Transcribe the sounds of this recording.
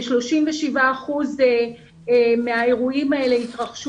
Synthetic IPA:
ʃlo̞ʃimveʃivaːχuze | me̞ae̞ʁuimae̞le̞it̪ʁaχʃ

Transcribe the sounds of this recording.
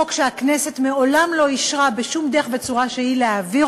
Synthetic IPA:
okʃeaknese̞t̪meo̞lamlo̞iʃʁabeʃumd̪eeχve̞t͡suʁaʃehileavi

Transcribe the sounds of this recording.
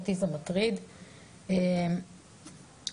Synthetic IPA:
t̪izamat̪ʁid̪ | em

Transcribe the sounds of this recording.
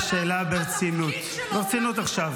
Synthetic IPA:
ʃeːlabeʁt͡sinut̪ | beʁt͡sinut̪aχʃav

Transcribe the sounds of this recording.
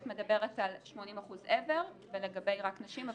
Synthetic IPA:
tme̞dabe̞ʁetalʃmo̞nimaχuzʔeve̞ʁveleɡabe̞jʁaknaʃimav

